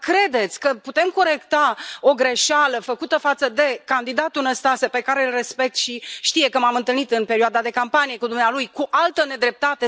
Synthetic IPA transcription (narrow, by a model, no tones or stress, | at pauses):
kɾe̞d̪e̞t̪sʲkəput̪e̞mko̞ɾe̞kt̪ao̞ɡɾe̞ʃaləfəkut̪əfat̪səd̪e̞kand̪id̪at̪ulnəst̪ase̞pe̞kaɾe̞ɨlre̞spe̞k̚t̪ʃiʃt̪ije̞kəmamɨnt̪ɨlnit̪ɨnpe̞ɾioad̪ad̪e̞kampanije̞kud̪umnealujkuʔalt̪əne̞d̪ɾe̞p̚t̪at̪e̞